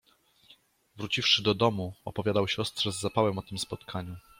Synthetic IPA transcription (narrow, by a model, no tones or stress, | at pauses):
vɾut͡ɕifʂɘd̪ɔd̪ɔmuɔpɔvʲjad̪awɕɔst̪ʂɛzːapawɛmɔt̪ɘmspɔt̪kʰaɲu